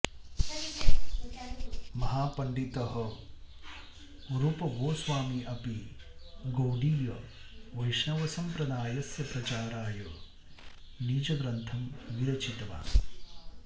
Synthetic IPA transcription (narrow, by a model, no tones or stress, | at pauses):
mɐɦaːpɐɳɖit̪ɐɦɐ | ɾupɐbʱoːsʋaːmiʔɐpi | ɡowɖiːjɐʋɐjʂnɐʋɐsɐmpɾɐd̪aːjɐsjɐpɾɐt͡ʃaːɾaːjɐ | niːd͡ʒɐɡɾɐnt̪ʰɐmʋiɾɐt͡ʃit̪ɐʋa̰ː